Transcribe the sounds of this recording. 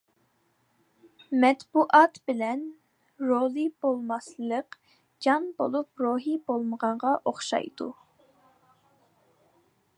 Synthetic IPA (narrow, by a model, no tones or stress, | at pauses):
mɛt̪buʔɑt̪bɪlɛn | ɾolˠɨbolˠmɑslˠəq | d͡ʒɑnbolˠup̚ɾoɦibolˠməʁɑɴʁɑʔoχʃɑ̰jd̪ṵ